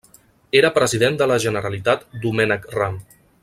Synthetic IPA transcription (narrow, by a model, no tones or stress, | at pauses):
eɾəpɾəziðend̪ələʒənəɾəlit̪at̪d̪umɛnəkram